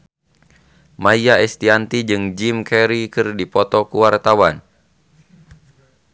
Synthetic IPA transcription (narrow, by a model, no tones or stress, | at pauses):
majaɛst̪iant̪id͡ʒɨŋd͡ʒimkɛɾikɨrdipɔt̪ɔkuwart̪awan